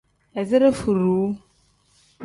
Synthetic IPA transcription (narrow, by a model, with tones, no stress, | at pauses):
ɛ˨zɪ˦ɾe˦fu˨ɾuː˨˦